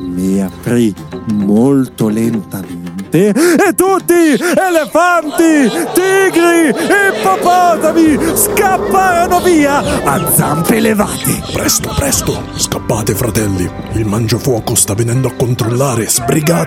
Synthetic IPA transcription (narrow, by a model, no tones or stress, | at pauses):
miapːɾimolt̪olɛnt̪ament̪eet̪ːut̪ːielefant̪it̪iɡɾiepːapɔːzamiskapːaːɾonoviːaa̰d̪za̰mpeleva̰ːt̪epɾɛst̪opɾɛst̪o | skapːaːt̪efɾat̪ɛlːiilmand͡ʒofwɔːkost̪avːenɛnd̪oakːont̪ɾolːaːɾez̥bɾiɡaː